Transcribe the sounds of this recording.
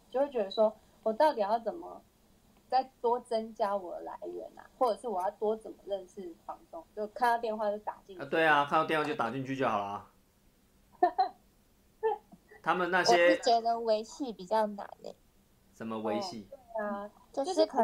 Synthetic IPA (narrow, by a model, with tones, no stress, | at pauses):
t͡ɕo˥˧we˥˩t͡ɕɥɛ˧˥d̪ə˧˩ʂwɔ˦˥ | wɔ˨˩t̪ɑ˥˩ʊt̪̬i˨˩jɑ˥˩ʊt͡sə˨˩nmə̰˨˦ | t͡sa˥˩ɪt̪wɔ˥t͡sə˦nt͡ɕja˥wɔ˨˩ə˦la̰˧˦ɪɥə̰˧˦na̰˨xwɔ˥˩ʈ͡ʂɤ˨˩ʂɻ̩˥˩wɔ˨˩jɑ˥˩ʊt̪wɔ˥t͡sə˨˩nmə˦ɻə˥˧nʂɻ̩˥˩fɑ˧˥ŋt͡sʊ˧˥ŋt͡ɕjo˥˩kʰa˥˧nt̪ɑ˥˧ʊt̪jɛ˥˧nxwa˥˧t͡ɕo˥˩t̪a̰˨˩t͡ɕi˥˧˩t̪we˥˩ɪa˨˩kʰa˥˧n˥˧t̪jwjt̪a˨˩t͡ɕi˥˧ŋt͡ɕʰy˥˧t͡ɕjo˥˩ʊhɑ˨˩ʊlɐ˨˩ | t̪ʰa˦˥mə˨nna˥˩ɕjɛ˦˥˩t͡ɕɛ˧˥ɻə˧˦nwe˧˥ɪɕi˥˩pi˨˩t͡ɕjɑ˥˩ʊna̰˨˩˦nə̰˨˩˦ | ʂə˨˦nmə˦we˨˦ɪɕi˥˩t̪we˥˩ɪa˩ | t͡ɕjo˥˧ʊ˥ʊɻ̩˥˩kʰ